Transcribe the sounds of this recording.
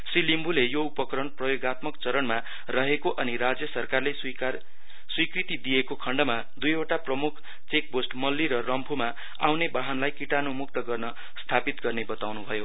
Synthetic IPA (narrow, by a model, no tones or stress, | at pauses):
silimbulejoupʌkɾʌɳprʌjoɡat̪mʌkt͡sʌɾʌnma | rʌɦekoʔʌniɾad͡zjʌsʌrkarle | ar | swikrit̪id̪ijekokʰʌɳɖʌma | d̪ujoʈaprʌmukʰ | t͡sek̚bosʈmʌlːiɾʌrʌmpʰuma | a̰wnebaɦʌnlajkiʈanomuk̚t̪ʌɡʌrnʌ | st̪ʰapit̪ɡʌrnebʌt̪awnubʱʌjo